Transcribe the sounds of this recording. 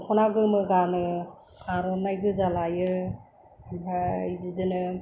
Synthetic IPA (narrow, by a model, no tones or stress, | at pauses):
kʰɔnaɡɯmɯɡanɯ | kʰaɾɔnajɡɯzalajɯ | bajbidɯnɯ